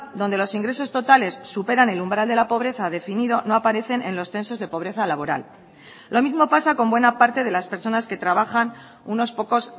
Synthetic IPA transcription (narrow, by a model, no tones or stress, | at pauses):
d̪o̞nd̪e̞lo̞siŋɡɾe̞so̞st̪o̞t̪ale̞sːupe̞ɾane̞lumbɾald̪e̞lapo̞β̞ɾe̞θaðe̞finið̞o̞no̞apaɾe̞θe̞nẽ̞nlo̞sθe̞nso̞zð̞e̞po̞βɾe̞θalaβo̞ɾa̰l | lo̞mizmo̞pasako̞mbwe̞napaɾt̪e̞ð̞e̞laspe̞ɾso̞naske̞t̪ɾaβ̞axan | uno̞spo̞ko̞s